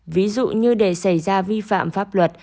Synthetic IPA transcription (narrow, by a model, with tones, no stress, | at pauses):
vi˨˦zṵ˧˨ɲɨ˧ɗe˧˩sa˧˩jzaː˧vi˧fa̰ː˧˨mfaː˦˥p̚lwə˨˩t̚